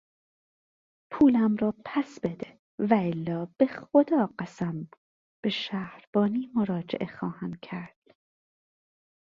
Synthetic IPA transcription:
pʰuːlæmrɒːpʰæsb̥e̞d̪e | væelːɒːb̥e̞xod̪ɒːɢæsæm | b̥e̞ʃæːhɾb̥ɒːniːmoɾɒːd͡ʒḛʔe̞xɒːhæn̥̚cʰæɾd̪̥

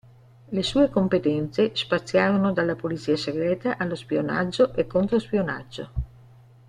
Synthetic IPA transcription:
lesuːekompet̪ɛnt̪sespat̪sːjaːɾonod̪alːapolit̪siːaseɡɾɛːt̪aʔalːospiona̰d͡ʒːoʔekːont̪ɾospiona̰d͡ʒːo̰

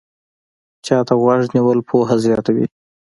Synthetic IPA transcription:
t͡ʃɑt̪aɣwaʐniwəlpʰoɦazjɑt̪awḭ

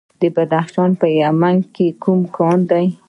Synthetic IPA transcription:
d̪əbad̪axʃɑnpəjamaŋɡkekumkʰɑnd̪aj

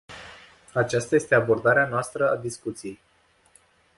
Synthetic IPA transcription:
at͡ʃast̪aje̞st̪e̞abo̞rd̪aɾeanoast̪ɾəad̪iskut̪sijej

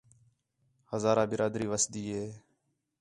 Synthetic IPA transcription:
həzaːɾãːbɪɾaːd̪ɾiːʋəsd̪iːɦeː

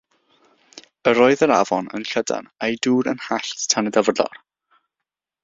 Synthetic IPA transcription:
əɾɔːɨðəɾa̰vɔnə̰nɬəda̰nejduːɾənhaɬttʰanədəvrlɔ̰r

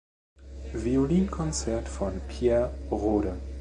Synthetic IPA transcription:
violiːnkʰɔnt͡sɛɐtfɔnpʰjɛːɐʁoːɾə

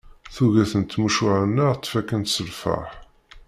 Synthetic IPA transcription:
θuʝæθənt̪ːmuʃʊʕanːət̪ˤːfækːənt̪səlfa̰ħ

